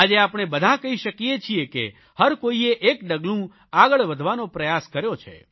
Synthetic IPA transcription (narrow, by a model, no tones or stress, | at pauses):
ad͡ʒeapɽ̃ebəd̪ʱakəɦiʃəkijet͡ʃʰiekḛ | həɾkoieʔekɖəɡlũ | aɡəɭʋəd̪ʱʋanopɾəjaskəɾjot͡ʃʰḛ